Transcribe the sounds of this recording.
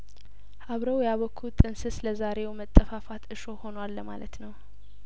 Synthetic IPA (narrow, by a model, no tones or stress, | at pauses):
haβɾəwjaβəkʰːut̪ʼɨnsɨsləzaɾe̞wmət̪ʼːəfafat̪ɨʃoho̞nwalːəma̰lət̪nəw